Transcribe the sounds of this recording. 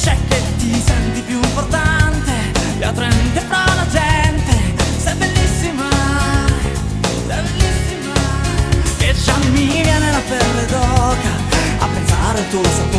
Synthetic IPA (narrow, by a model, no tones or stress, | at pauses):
t͡ʃɛk̟ːet̪ːisɛnt̪ipjuimport̪ant̪e | at̪ːɾɛnt̪epɾɔlad͡ʒɛnt̪esɛbːelːisːima | sɛbelːisːima | ked͡ʒamːivjanelːapɛlːed̪ɔka | a̰pːensaɾet̪osapːo